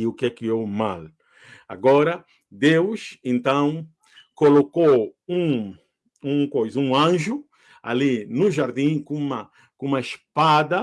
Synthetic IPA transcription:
iukɛkɪewma̰l | a̰ɡɔɾɐ | d̪ewʃẽnt̪ɐ̃w̃ | kolokoũ | ũkojzɐũɐ̃ʒu | a̰linʊʒaɾd̪ĩkũmɐ | kũmɐispad̪ɐ

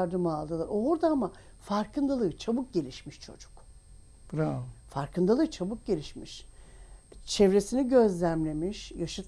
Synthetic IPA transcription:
aɾd̪ɯmalˠd̪ɯlˠaɾoɾd̪aama | faɾkʰɯnd̪alˠɯt͡ʃʰabuk̚ɟe̞lʲiʃmiʃt͡ʃʰo̞̰d͡ʒu̥k | bɾafaɾkɯnd̪alˠɯt͡ʃʰabuk̚ɟe̞lʲiʃmiʃ | t͡ʃʰevɾe̞siniɟø̞zlʲæmlʲe̞miʃjaʃɯt̪

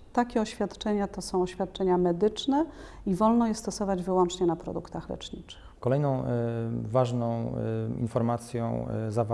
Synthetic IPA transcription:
t̪akʲɛɔɕfʲjat̪t͡ʂɛɲat̪ɔsɔ̃w̃ɔɕfʲjat̪̚t͡ʂɛɲamɛd̪ɘt͡ʂnɛ | ivɔlnɔjɛst̪ɔsɔvad͡ʑvɘwɔnt͡ʂɲɛnapɾɔ̰d̪ukt̪axlɛ̰t͡ʂɲit͡ʂɘ̥xkɔlɛjnɔ̃w̃vaʐnɔ̃w̃ḭnfɔɾmat̪sʲjɔ̰̃w̃zav

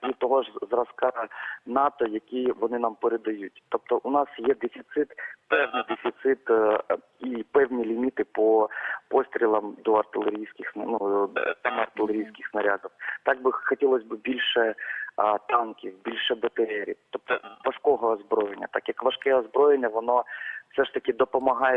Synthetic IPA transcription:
it̪ɔɦɔʒzrɐskɑnɑt̪ɔjɐkʲijʋɔnɪnɑmpeɾed̪ɐjut̚ʲt̪ɔp̚t̪ɔʔʊnɑsjɛd̪efʲit̪sɪt̪pɛwnɪjd̪efʲit̪sɪt̪ | ipɛwnʲilʲimʲit̪ɪpɔpɔsʲt̪ʲɾʲilˠɐmd̪ɔɐrt̪ɪlˠeɾʲijsʲkʲɪxsnnut̪ɛmɔɐrt̪ɪlˠeɾʲijsʲkɪxsnɐɾʲad̪ɔwt̪ɑɡ̚bɪxɔtʲilˠɔsʲbɪbʲilʲʃɛ | t̪ɑnkʲiwbʲilʲʃɛbɐt̪eɾʲɛɾʲḭt̪ɔp̚t̪ɔʋɐʃkɔɦɔːzbɾɔjenʲːɐ̰t̪ɑkjɐkʋɐʃkɛɔzbɾɔjenʲːɐʋɔnɔw̥sɛʃt̪ɐkʲɪd̪ɔpɔmɐɦɑjɛ

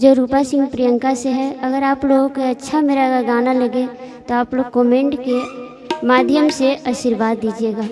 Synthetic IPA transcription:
d͡ʒoːɾuːpasɪ̃ŋɡ̚pɾijə̃ŋkaseɦɛɐɡəɾaːploːɡõkeɐtːʃʰameːɾaɡaɡaːnalɐɡe | t̪oaːploːɡ̚koːmẽːɳʈke | maːd̪ʱjəmseʔaʃɪɾʋaːd̪ːiːd͡ʒieːɡaː

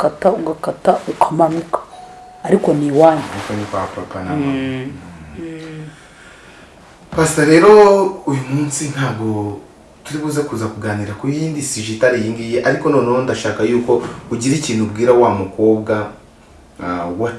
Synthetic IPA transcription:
katauɡakataukʰamanukḁː | ɾiko̞niwaːɲɾikonipapɾapanama | pasaɾe̞ːɾo̞ujumuːnsin̥haːbɡo̞ | tuɾiβuːzakuzakuɡaːniɾakujiːndisiʒitaɾijiːŋɡijeʔaɾiko̞no̞ːnoondaʃaːkajuːko̞uɟiɾiciːnubɡiːɾawaːmuko̞ːβɡa | wa

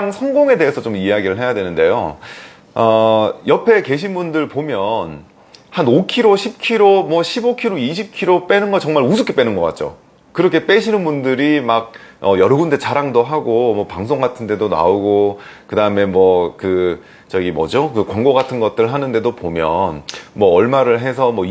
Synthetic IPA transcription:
aŋsʰʌŋɡoŋe̞de̞ɦesʰʌt͡ɕomieaɡiɾɯɭɦe̞jadwe̞nɯnde̞jo̰ | ʌjʌpʰe̞ke̞ɕ̬ʰinbundɯɭpomjʌn | hanokʰiɾoɕʰip̚kʰiɾomwʌɕʰibokʰiɾoiɕ̬ʰip̚kʰiɾop͈e̞nɯnɡʌt͡ɕʌŋmaɭusʰuk͈ʰep͈e̞nɯnɡʌk͈a̰t̚t͡ɕ͈o̰ | kɯɾʌkʰep͈e̞ɕʰinɯnbundɯɾimak̚ | ʌjʌɾoɡunde̞t͡ɕaɾaŋdoɦaɡomwʌpaŋs̬ʰoŋɡatʰɯnde̞dona̰oɡokɯdaɯme̞mwʌkɯ | t͡ɕʌɡimʌ̰d͡ʑokɯkwaŋɡoɡatʰɯnɡʌt̚t͈ɯɭɦanɯnde̞dopomjʌnmwʌːɭmaɾɯɭɦe̞s̬ʰʌmwʌ

